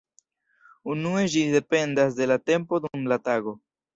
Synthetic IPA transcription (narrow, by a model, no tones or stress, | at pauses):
unue̞d͡ʒide̞pe̞ndas̬de̞late̞mpo̞dumlataɡo̞